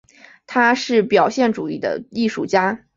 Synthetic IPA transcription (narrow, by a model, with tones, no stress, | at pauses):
t̪ʰa˥ʂɻ̩˥˩pjɑ˨˩ʊɕjɛ˥˩nʈ͡ʂu˨˩i˥˩d̪ə̰˩i˥˧ʂu˥˩t͡ɕja˥